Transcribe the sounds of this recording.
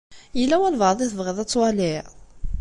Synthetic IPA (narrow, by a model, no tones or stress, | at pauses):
jəlːæwælvəðˤiθəvʁəðæt͡sːwælɪʕ